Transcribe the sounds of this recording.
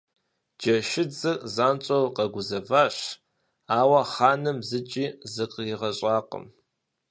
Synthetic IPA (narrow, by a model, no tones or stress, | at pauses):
d͡ʒɐʃɪd͡zɨzaːnt͡ʃʼowqɐɡʷʊzɐvaːɕ | aːwɐχaːnɨmzɨt͡ʃʼiːzɨqʼjɪʁɐɕʼaːqə̰m